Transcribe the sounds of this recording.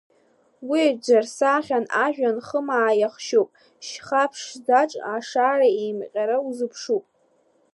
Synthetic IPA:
wid͡ʒʷarsaːχʲanaʒᶣanχəmaːjaχʃupʼ | ʃχapʰʂzaʈ͡ʂʼaʂaːraejmqʲʼaɾauzɨpʰʂupʼ

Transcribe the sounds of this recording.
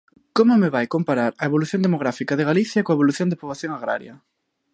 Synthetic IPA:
komomeβajkompaɾaɾɐeβoluθjõnd̪emoɣ̞ɾafikaðeɣaliθjɐkoaeβoluθjond̪epoβlaθjoŋaɣɾa̰ɾjɐ

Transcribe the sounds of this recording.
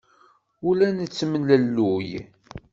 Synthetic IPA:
ʊlænət͡sːəmələlːuj

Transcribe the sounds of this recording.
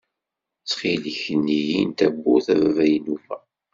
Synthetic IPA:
t͡sːχiləçənːijint̪æbːuθævævæjənufæ

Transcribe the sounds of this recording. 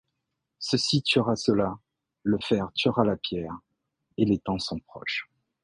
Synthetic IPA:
səsit̪ɥəʁasəla | ləfɛʁt̪əʁalapjɛʁ | elet̪ɑ̃sɔ̃pχɔ̰ʃ

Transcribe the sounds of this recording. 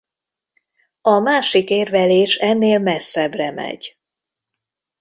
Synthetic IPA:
ɒmaːʃikeːrvɛleːʃɛnːeːlmɛsːɛbrɛmɛ̰ɟ

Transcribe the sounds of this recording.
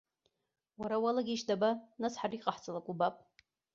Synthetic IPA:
waɾawalaɡʲiʃdabanasħariqʼaħt͡sʼalakʷʼubapʼ

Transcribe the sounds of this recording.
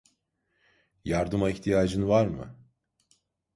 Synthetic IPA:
jaɾd̪ɯmaiçt̪ʰijaːd͡ʒɯnvaɾmɯ̰

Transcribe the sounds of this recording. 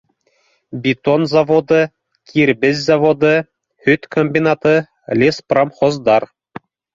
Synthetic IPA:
bʲit̪onzɑvod̪ɤ̆ | kʲʰirʲbʲɘ̆zʲzɑvod̪ɤ̆ | hyt̪ʲkomʲbʲinɑt̪ɤ̆ | lʲesprɑmχŏzd̪ɑr

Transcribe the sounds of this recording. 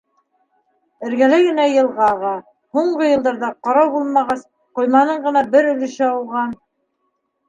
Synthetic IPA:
ɘ̆ɾɡælæɡɘ̆næjɤ̆lˠʁɑʁɑ | huɴɢɤjɤ̆lˠd̪ɑɾðɑqɑɾɑwbulˠmɑʁɑs | qŏjmɑnɤɴɢɤ̆nɑbɘɾɵ̆lɘ̆ʃɘɑw̪ˠʁɑn

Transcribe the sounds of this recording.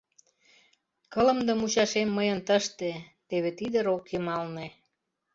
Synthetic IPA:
kələ̆md̪ə̆mut͡ɕɑʃemːəjənt̪əʃt̪et̪eβet̪id̪əɾokjəmɑlne

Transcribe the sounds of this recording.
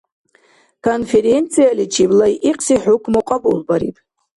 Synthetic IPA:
kʰonfe̞ɾent͡sʰijalit͡ʃʰiblajʔiqʼsiħʊkʷʰmoqʷʼabʼulbaɾḭtʼ

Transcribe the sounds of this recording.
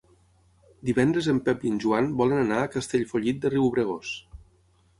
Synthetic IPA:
d̪iβɛnd̪ɾəzəmpɛpənʲʒuanbɔlənənaəkəst̪eʎfoʎit̪̚d̪əriwβɾəɣos

